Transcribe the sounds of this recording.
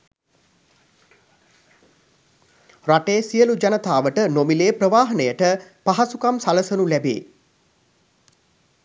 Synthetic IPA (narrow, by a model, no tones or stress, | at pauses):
raʈeːsijəlud͡ʒanət̪aːʋəʈənomileːprəʋaːɦɐnəjəʈəpaɦasukamsaləsənulæbḛː